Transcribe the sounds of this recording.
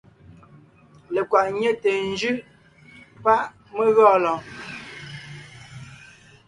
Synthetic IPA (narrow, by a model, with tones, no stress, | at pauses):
le˨kwa˨ʔɲe˦te˨n˦d͡ʒʉ˦ʔ | pa˦ʔ | me˦ɣɔː˦˨lɔ̃˨